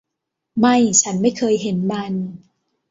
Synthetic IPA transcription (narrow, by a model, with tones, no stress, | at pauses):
ma˥˩jt͡ɕʰa˦˥nma˥˩jkʰɤː˧jɦe˩˦nma˧n